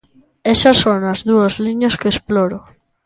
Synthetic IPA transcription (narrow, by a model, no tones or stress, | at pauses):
eʃɐsːoŋɐzðuɐzliɲɐskeːsploɾo